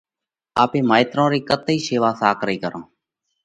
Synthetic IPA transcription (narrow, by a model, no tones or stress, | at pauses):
aːpeːmaːɪt̪ɾõːɾiːkət̪iːʃeːʋaːsaːkɾiːkəɾãː